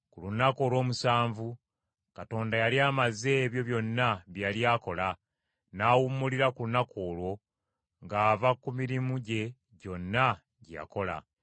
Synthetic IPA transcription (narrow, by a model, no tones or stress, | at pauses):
kulunako̞ːlwo̞ːmusaːɱvu | kato̞ːndajaliaːmaze̞ːβjo̞βjo̞nːaβjaljaːko̞la | naːwumːuliɾakulunakoːlwo̞ | ŋɡaːvakumiɾimuɟe̞ | ɟo̞nːa | ɟija̰ko̞la̰